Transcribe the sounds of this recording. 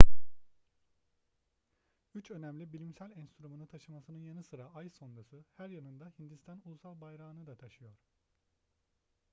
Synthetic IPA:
yt͡ʃø̞næmlʲibilʲimsælʲɛnst̪ɾumunɯt̪ʰaʃɯmasɯnɯnjanɯsɯɾaajso̞nɾasɯhæɾjanɯnd̪ahind̪ist̪ʰanulˠusalˠbajɾaːnɯd̪at̪ʰaʃɯjo̞ɾ̥

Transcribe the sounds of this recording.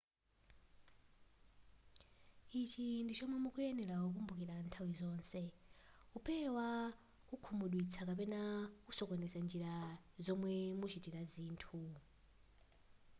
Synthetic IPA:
it͡ʃʰindit͡ʃʰɔmwɛmukʼujɛnɛɾaɦuk̬umbuk̬iɾantʰawizɔːnsɛupʰɛwa | kukʰumuɗwit͡sʰakapɛnakusɔkɔnɛsand͡ʒiɾazɔmwɛmut͡ʃʰitʼiɾaziːntʰu

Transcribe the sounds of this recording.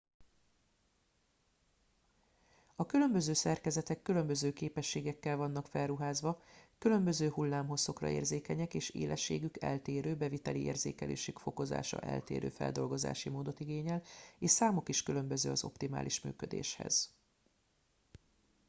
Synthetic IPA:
ɒkylø̞mbøzøːsɛrkɛzɛt̪ɛkːylø̞mbø̞zøːkeːpɛʃːeːɡɛkːɛlvɒnːɒkfɛlːuɦaːzʋɒkylø̞mbøzøːhulːaːmɦo̞sːo̞krɒ̰eːrzeːkɛɲɛkeːʃḛːlʔɛʃːḛːɡykɛ̰lt̪eːɾøːbɛvit̪ɛliʔeːrzḛːkɛlḛːʃykfo̞ko̞za̰ːʃɒ̰ʔɛ̰lt̪ḛːɾø̰ːfɛ̰ld̪o̞lɡo̞za̰ːʃimoːd̪o̞t̪iɡeːɲɛleːʃsaːmo̞kiʃkylø̞mbøzøːɒzo̞̰pt̪ima̰ːliʃmy̰ːkø̞d̪ḛːʃhɛ̰z̥

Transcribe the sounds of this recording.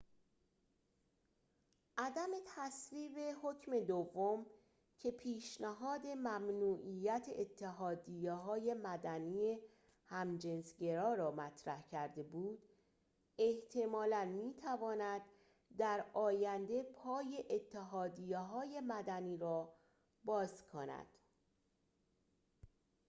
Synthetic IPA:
ʔæd̪æme̞t̪ʰæsɾiːbe̞ho̞cʰme̞d̪ovːom | cʰe̞pʰiːʃnæɦɒːd̪e̞mæmnuːʔijæt̪ʰḛʔet̪ʰːeɦɒːd̪ijeɦɒːje̞mæd̪æniːje | hæmd͡ʒe̞nsɟe̞ɾɒːɾɒːmæt̪ʰɾæhcʰæɾd̪e̞buːd̪̥ | e̞ht̪ʰe̞mɒːlænmiːt̪ʰævɒːnæd̪ː | æɾɒːjænd̪e̞pʰɒːje̞ʔet̪ʰːeɦɒːd̪ijeɦɒːje̞mæd̪æniːɾɒː | bɒːzkʰonæ̰d̪̥

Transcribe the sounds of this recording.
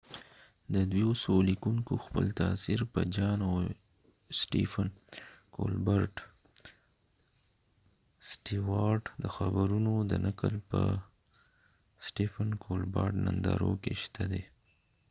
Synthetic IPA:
d̪əd̪wiosolikuŋkoxpə̰lt̪asiɾpəd͡ʒɑnaw | sʈḭfənko̰lbəɾʈ | sʈiwɑɾʈd̪əxabaɾunod̪ənakəlpə | sʈifənkʰolbɑɾʈnand̪ɑɾokeʃt̪ʰad̪e

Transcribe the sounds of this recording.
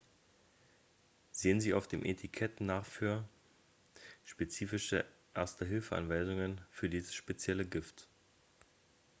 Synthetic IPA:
z̥eːənziːa̰ʊfd̥eːmʔetʰikʰɛtnaːχfyːɐ | ʃpet͡siːfɪʃəʔɛɐstəɦɪlfəʔa̰nvaɪzʊŋənfyːɐdiːzəsʃpet͡sjɛləɡɪft

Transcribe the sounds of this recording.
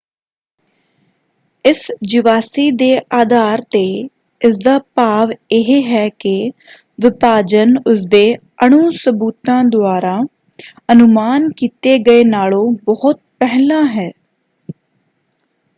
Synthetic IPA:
ɪsd͡ʒɪʋaːsiːd̪eːʔaːd̪aːɾt̪eː | ɪsd̪aːpaːʋɪɦeːɦɛːkɪ | ʋɪpaːd͡ʒənʊs̬d̪eː | əɳ̃uːsəbuːt̪ãːd̪ʊaːɾaː | ənʊmaːnkiːt̪eːɡəeːnaːlõːbɔhʊt̪̚pɛɦlãːɦɛː

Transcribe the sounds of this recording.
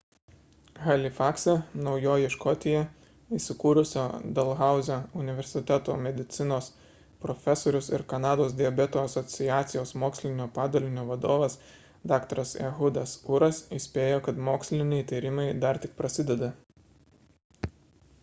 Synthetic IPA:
ɣɐlʲɪfɑːksʲɛnɒʊjoːjɪʃkɔt̪ʲɪjɛ | isʲɪkuːɾʊsʲoːd̪ɐlˠɣɑˑʊzʲoʊnʲɪʋʲɛɾʲsʲɪt̪ʲɛt̪o̰ːmʲɛd̪ʲɪt̪sʲɪnoːs | pɾɔfʲɛsoːɾʲʊsɪɾkɐnɑːd̪oːsd̪ʲɪɛbʲɛt̪oːɐsɔt̪sʲɪjæːt̪sʲɪjoːsmoːksʲlʲɪnʲoːpɑːd̪oːlʲɪnʲoːʋɐd̪oːʋɐs | d̪ɑːkt̪ɐɾɐsɛ̰ɦʊd̪ɐsʊɾɐsɪsʲpʲeːjoːkɐt̪moːksʲlʲɪnʲɛjt̪ʲiːɾʲɪmɐɪd̪ɐɾt̪ʲɪk̚pɾɐsʲɪd̪ʲɛd̪ɐ

